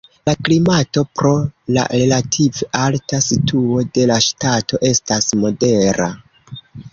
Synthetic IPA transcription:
laklimato̞pɾo̞la̰ʔelatʰiveʔaltasitʰuo̞de̞laʃtato̞ʔe̞stasmo̞de̞ɾa̰

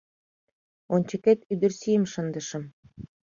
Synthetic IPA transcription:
onʲt͡ɕə̆ket̪yd̪ə̆rsijə̆mʃə̆nd̪ə̆ʃə̆m

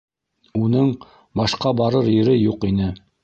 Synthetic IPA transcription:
unɤɴ | bɑʃqɑbɑɾɤɾjɘ̆ɾɘjuqinɘ

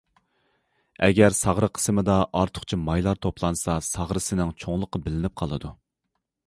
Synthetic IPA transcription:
ɛɡʲæɾsɑʁɾəqʰə̥sɨmɨd̪ɑʔɑɾt̪ʰʊ̥χt͡ʃʰimɑjlˠɑɾt̪ʰopʰlˠɑnsɑsɑʁɾɨsɪnɪŋt͡ʃʰoŋlˠəqːɑbɪlɪnɪp̚qʰɑlˠɨd̪u

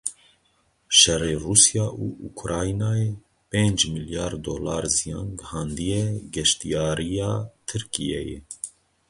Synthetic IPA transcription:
ʃɛrːeːruːsjɑːʔuʔukʰɾɑːinaːjeː | peːnd͡ʒmiljɑːɾd̪oːlɑːɾzijɑ̰̃ːnɡhɑːnd̪ijɛɡɛʃt̪ijɑːɾijɑːt̪ʰɨɾkijɛ̰jɛ̰

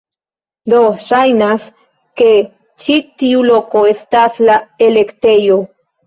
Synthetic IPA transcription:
d̪oʃajnas | ke | t͡ʃit̪iulokoest̪aslaelekt̪ejo

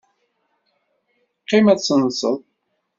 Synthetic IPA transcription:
qːɪmæt͡sːənsəðˤ

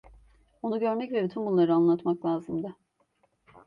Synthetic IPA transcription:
o̞nuɟø̞ɾmɛcvɛbit̪ʰynbunlˠaɾɯanlˠat̪maklʲˠaːzɯmd̪a

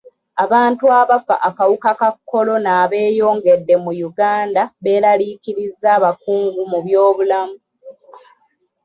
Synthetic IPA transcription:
aβaːntuaβafa̰ʔakawukakakːo̞lo̞naːβe̞ːjo̞ːŋɡe̞dːe̞mujuɡaːndaβe̞ːɾaliːkiɾizːaːβakuːŋɡumuβjo̞ːβulamu

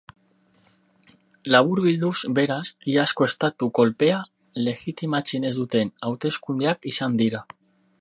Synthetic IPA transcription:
laβuɾɣid̪uzbeɾasiaskoest̪at̪ukolpea | lexit̪imat͡ʃinezd̪ut̪enawt̪eskund̪eakisand̪iɾa

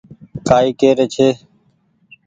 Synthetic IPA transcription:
kaːiːkeːɾeːt͡ʃʰeː

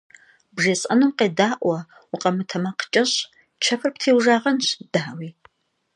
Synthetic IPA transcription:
bʒɐsʼɐ̰numqeːdaːʔʷʼwɐ | uqʼɐmɨtʰɐmɐqə̥t͡ʃʼɐɕ | t͡ʃʰɐpʰɨrp̚tʰeːwʒaːʁɐnɕd̥aːwiː

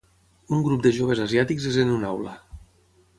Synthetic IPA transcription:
uŋɡɾup̚d̪əʒoβ̞ezaziat̪ikzezenunawlə

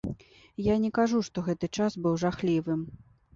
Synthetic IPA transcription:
janʲɛkaʐuʂt̪ɔɣɛt̪ɨt͡ʂasbɨwʐaxlʲivɨm

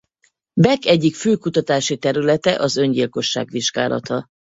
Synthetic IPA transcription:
bɛkɛɟːikføːkut̪ɒt̪aːʃit̪ɛɾylɛt̪ɛʔɒzø̞ɲɟilko̞ʃːa̰ːɡʋiʒɡa̰ːlʔɒ̰t̪ɒ

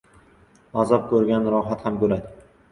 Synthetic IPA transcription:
azɒp̚kʲʰɵɾɡʲanɾɒɦat̪hamkɵɾad̪ɪ

